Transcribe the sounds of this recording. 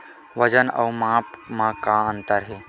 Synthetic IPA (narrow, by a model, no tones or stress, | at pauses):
ʋəd͡ʒənɐ̰wmãːpmãkãənt̪əɾɦeː